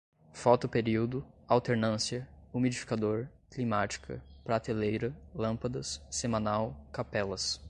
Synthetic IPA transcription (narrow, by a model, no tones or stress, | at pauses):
fɔt̪ʊpeɾiwd̪ʊawt̪eɾnɐ̃siɐumid͡ʒifi̥kad̪oɾ | klimat͡ʃi̥kʰɐ̰pɾat̪elejɾɐlɐ̃mpɐd̪ɐsːemɐ̃nawkapɛlɐs